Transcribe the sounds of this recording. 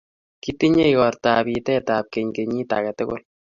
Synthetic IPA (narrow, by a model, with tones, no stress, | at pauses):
ki˦ti˦ɲe˦i˨kɔ˨rtabi˧tɛ˦tap̚ke˨ɲke˨ɲi˦ta̰˨kɛ˨tʊ˦ɡʊ̰˦l